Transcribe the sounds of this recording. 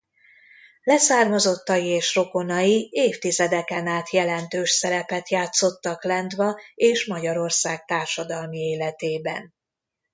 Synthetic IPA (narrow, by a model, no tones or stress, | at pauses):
lɛsaːrmɒzo̞t̪ːɒjieːʃro̞ko̞nɒjieːft̪izɛd̪ɛkɛnaːt̪jɛlɛnt̪øːʃsɛɾɛpɛt̪jaːt̪so̞t̪ːɒklɛnd̪vɒeːʃmɒɟɒɾo̞rsaːɡ̚t̪aːrʃɒd̪ɒlmieːlɛt̪eːbɛ̰n